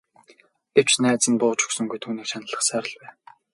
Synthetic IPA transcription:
ɡ̥ew̥t͡ɕnæːt͡sə̆npʊːt͡ɕɵ̥̆ksɵ̆ŋɡujt̪ʰuːniːkʃʰanə̆ɮə̆χsæːɾə̆ɮpæː

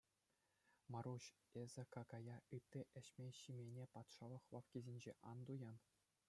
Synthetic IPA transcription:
mɑɾuɕ | ezʲɘ̆kɑkɑjɑɯt̪ʲːĭʔɘ̆ɕmʲeɕimʲenʲepɑt̪ʂɑlˠɤ̆χlɑfkʲizʲenʲd͡ʑeʔɑnd̪ujɑn

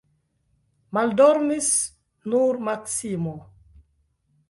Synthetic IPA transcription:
mald̪ɔɾnis | nuɾmaksimo

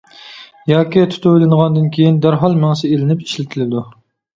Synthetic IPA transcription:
jɑːkʲit̪ʰu̥t̪ʰʊwɪlɪnʁɑnd̪ɨnkʲʰejind̪æɾɦɑlˠmæŋsɪelɪnɪpi̥ʃlɪt̪ʰɪlɪd̪u

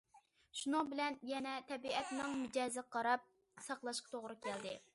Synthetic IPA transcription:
ʃunʊŋbɪlɛnjɛnɛt̪ʰɛbiɛt̪nɪŋmud͡ʒɛːzɪqʰɑɾɑp̚ | sɑqlˠɑʃqɑ̥t̪ʰoʁɾɨkʲʰæld̪ɪ

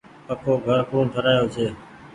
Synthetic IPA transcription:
pəkʰoːɡʱəɾkũːʈʰəɾaːjoːt͡ʃʰeː

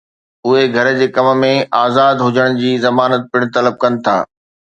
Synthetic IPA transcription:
ʊɦeɡʱɐɾd͡ʑeːkɐm̆mẽʔaːzaːd̪ɦʊd͡ʑəɽ̃d͡ʑiːzɐmaːnət̪̚pɪɽ̃t̪ɐləb̚kɐnɪ̆t̪ʰa̰ː

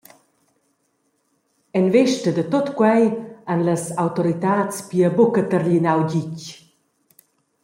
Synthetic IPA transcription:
ɛnvɛʃtəd̪ət̪ot̪kwɛjanləsawt̪ɔɾit̪aːt͡spiəbokət̪əɾʎinawɟic

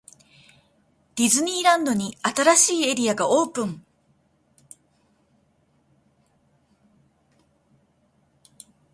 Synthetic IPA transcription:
d̪̥ʲizɨɲ̟iːɾãnd̪o̞ɲ̟iat̪aɾaɕiːe̞ɾʲiaɡaoːpɯ̟̃ŋ

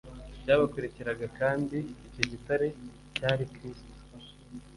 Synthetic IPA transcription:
bɟaːβakeɾeceɾaɡakaːndiːco̞ɟitaɾe̞ | caːɾikɾiːsto̥

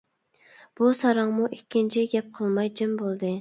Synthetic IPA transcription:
b̥usɑɾɑŋmuʔikʲʰːint͡ʃʰiɡʲɛp̚qʰəlˠmɑjd͡ʒimbolˠd̪ɨ

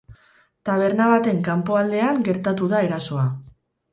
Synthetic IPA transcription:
t̪aβ̞e̞ɾnaβat̪e̞ŋkampo̞ald̪e̞aŋɡe̞ɾt̪at̪uðae̞ɾaso̞a

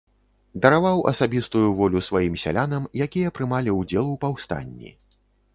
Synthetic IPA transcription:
d̪ɐɾavawʔɐ̰sabʲist̪ujuvɔlʲusvajimsʲa̰lʲanɐmjakʲijɐpɾɨmalʲiuwd͡zʲɛlˠuwpawst̪a̰nʲːḭ

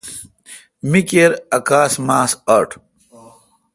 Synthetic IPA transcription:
mikeɾɐkaːsmaːsaɾʈ

